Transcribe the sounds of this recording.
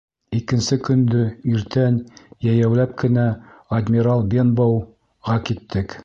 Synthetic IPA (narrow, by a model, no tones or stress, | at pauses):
ikɘ̆nsɘkɵ̆nd̪ɵiɾt̪ænjæjæwlæp̚kɘ̆næɐd̪ʲmʲiɾɑlˠbʲenbow | ʁɑkit̪ːɘk